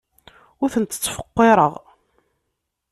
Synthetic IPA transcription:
ʊɾθənt̪ːə̥t͡sːfə̥qːeɾˤəʁ

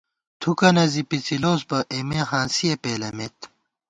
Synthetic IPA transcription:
t̪ʰukɐnɐzipit͡siloːsbɐʔemeɦãːnsijɐpeːlɐmet̪

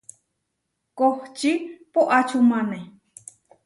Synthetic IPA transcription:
koht͡ʃipoʔat͡ʃʰumane

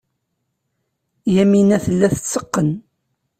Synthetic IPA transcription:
jæminæθəlːæθət͡sːəqːən

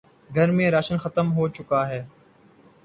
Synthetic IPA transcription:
ɡʱəɾmẽːɾaːʃənxət̪əmɦoːt͡ʃʊkaːɦɛː

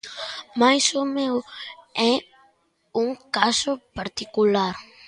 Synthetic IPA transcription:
majsʊmewɛ | uŋkasʊpaɾt̪ikulaɾ

